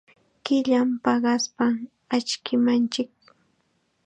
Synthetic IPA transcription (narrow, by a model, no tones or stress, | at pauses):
kɪʎampɑɢɑspa | at͡ʃkɪmant͡ʃɪk̚